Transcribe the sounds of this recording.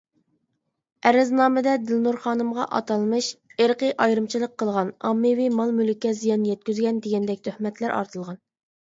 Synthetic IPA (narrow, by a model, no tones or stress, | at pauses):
ɛɾɪznɑːmɨd̪ɛd̪ɪlnuɾχɑːnɨmʁɑ̰ʔɑ̰t̪ɑlˠmɨʃeɾqəʔɑjɾɨmt͡ʃʰilˠəqʰːəlˠʁɑnɑ̰mːɨwimɑlˠmylykʲːɛzijɑnjɛt̪̚kʲyzɡʲɛnd̪eɡʲɛnd̪ɛkʲt̪ʰøhmɛt̪ʰlæɾʔɑ̰ɾt̪ʰɨlˠʁɑn